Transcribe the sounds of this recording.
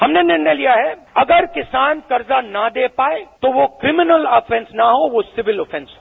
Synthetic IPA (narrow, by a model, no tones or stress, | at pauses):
ɦɐmnenɪɾnelijaɦɛː | ɐɡəɾkɪsaːnkɐɾzanɐd̪eːpaːet̪oʋokɾɪmɪnəlaːfɛ̃nsnaɦoʋosɪʋɪlɔːfʰɛ̃nsɦo